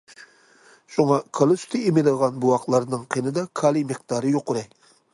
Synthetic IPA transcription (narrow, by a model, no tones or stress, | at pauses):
ʃuŋɑkʰɑlˠɨsy̥t̪ʰɨimɪnɨʁɑnbuɑqlˠɑɾnɨŋqʰenɨd̪ɑkʰɑːlˠimeqd̪̥ɑːɾɨjoqːʊɾɛkʲ